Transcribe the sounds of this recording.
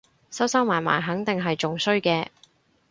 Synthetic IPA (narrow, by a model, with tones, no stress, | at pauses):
sɐ˥wsɐ˥wmaː˨˩nma̰ː˨˩jɦɐ˨˥ŋt̪ɪ˨ŋɦɐ˨jt͡ʃʊ˨ŋsɵ˥ɥkɛː˧